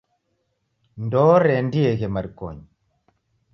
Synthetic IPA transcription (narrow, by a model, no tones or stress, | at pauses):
ndɔɾɛndieɣemaɾko̰ɲ